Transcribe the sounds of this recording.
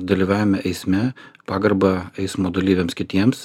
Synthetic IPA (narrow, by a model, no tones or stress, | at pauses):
d̪ɐlʲiːʋɑːʋʲɪmʲɛʔɛɪsʲmʲɛpɑːɡɐɾbɐɛɪsmoːd̪ɐlʲiːʋʲeːmskʲɪt̪ʲiɛms